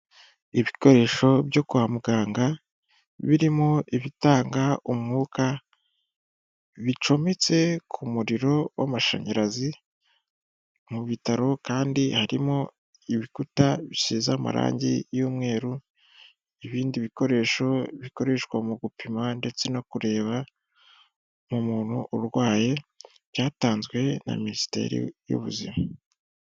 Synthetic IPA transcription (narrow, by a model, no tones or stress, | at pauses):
iβiko̞ɾe̞ːʃo̞βjo̞kuhamuɡaːŋɡa | βiɾimo̞ʔiβitaːŋɡaumŋuːka | βit͡ʃo̞met͡se̞kʰumuɾiɾo̞wa̰maʃa̰ɲaɾazi | muβitaɾo̞kaːndihaɾimo̞ | iβikutaβisiːzama̰ɾa̰ːɲɟḭjuːmŋe̞ːɾu | iβiːndiβiko̞ɾe̞ʃo̞βiko̞ɾe̞ʃwamuɡupʰimande̞t͡se̞no̞kuɾe̞ːβa | mumuːn̥huʔːɾɡwaːje̞ | β̥jaːtaːnzɡwe̞na̰ministe̞̰ːɾḭjṵβṵzḭma